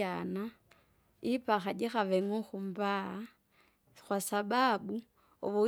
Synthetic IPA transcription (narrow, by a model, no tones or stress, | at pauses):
ana | ipaxad͡ʒixaʋeŋoxumbaa | xwasababu | oβu